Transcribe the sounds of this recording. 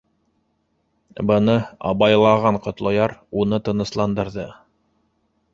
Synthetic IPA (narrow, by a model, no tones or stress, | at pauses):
bɤ̆nɤɑ̰βɑjlˠɑʁɑɴqŏt̪lˠojɑɾunɤt̪ɤ̆nɤ̆slˠɑnd̪ɤ̆ɾðɤ